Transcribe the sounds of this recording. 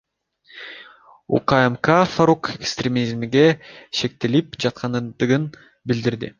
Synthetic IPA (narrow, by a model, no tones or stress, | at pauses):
ṵqaemkafaɾukekst̪ɾʲemʲizmɡe̞ʃe̞k̚t̪elipd͡ʒɑt̪̚qʰɑnd̪ɯʁɯn | bild̪iɾd̪ḭ